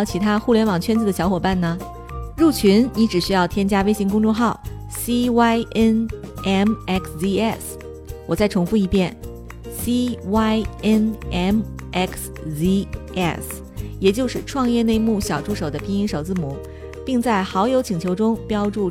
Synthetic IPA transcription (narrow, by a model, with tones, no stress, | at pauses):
ʊt͡ɕʰi˧˥t̪ʰa˥xu˥˩ljɛ˧˥nwɑ˨˩ŋt͡ɕʰɥɛ˥nt͡sɹ̩˧˩d̪ə˩ɕjɑ˧˥ʊxwɔ˨˩pa˥˩nnə˩ | ɻu˥˩t͡ɕʰy˧˥nni˧˥ʈ͡ʂɻ̩˨˩ɕy˥jɑ˥˩ʊt̪ʰjɛ˥nt͡ɕja˥we˥ɪɕi˧˥ŋkʊ˥ŋʈ͡ʂwɔ˥˧ŋxɑ˥˩ʊ | si˥wa˥ɪʔɛ˥nɛ˥˩mɛ˥˩ksi˥˧ɛ˥˩s | wɔ˨˩t͡sa˥˩ɪʈ͡ʂʰʊ˧˥ŋfu˥˧i˧˥pjɛ˥˩n | si˥wa˥ɪɛ˥nɛ˥m | ʔɛ˥ks | i˥ɛ̰˥˩s | jɛ˨˩t͡ɕjo˥˧ʊʂɻ̩˥˧ʈ͡ʂʰwɑ˥˧ŋjɛ˥˧ne˥˧ɪmu˥˩ɕjɑ˨˩ʊʈ͡ʂu˥˩ʂo˨˩ʊd̪ə˦pʰi˧˥ŋi˧˥ŋʂo˨˩ʊt͡sɹ̩˥˩mu˨˦ | pi˥˧ŋt͡sa˥˩ɪxɑ˧˥ʊjo˧˥ʊt͡ɕʰi˨˩ŋt͡ɕʰjo˧˥ʊʈ͡ʂʊ˥ŋpjɑ˥ʊʈ͡ʂu˥˩